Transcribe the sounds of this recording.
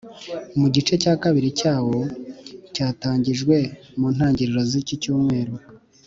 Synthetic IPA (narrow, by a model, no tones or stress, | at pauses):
muɟit͡ʃe̞caːkaβiɾicaːwo̞caːtaːɲɟiʒɡwe̞muːn̥haːɲɟiɾiɾo̞zicicuːmŋe̞ːɾo